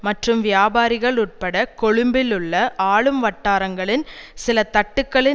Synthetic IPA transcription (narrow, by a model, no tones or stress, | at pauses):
mɐʈrɯmʋɪjaːbaːɾɪɣɐɭʊʈ̚pɐɽɐkɔɻɯmbɪlɯɭːɐʔaːɭɯmʋɐʈːaːɾɐŋɡɐɭɪnsɪlɐt̪ɐʈːɯkːɐɭɪ